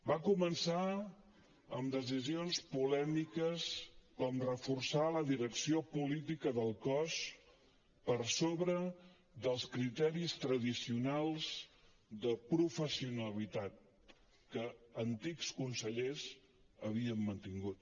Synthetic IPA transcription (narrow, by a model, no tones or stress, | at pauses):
bakumənsa | əmd̪əz̬izionspulɛmikəskɔmrəfursaləðiɾəksiopulit̪ikəðəlˠkɔs | pəɾsoβɾə | ðəlˠskɾit̪ɛɾist̪ɾəðisiunalˠz̥ | d̪əpɾufəsiunəlit̪at̪̚ | kəːnt̪ikskunsəʎez | əβ̞iəmːənt̪iŋɡut̪